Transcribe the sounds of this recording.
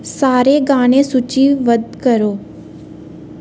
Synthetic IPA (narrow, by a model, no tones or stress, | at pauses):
saːɾeɡaːɽ̃esʊt͡ʃiʋɐd̪kɐɾoː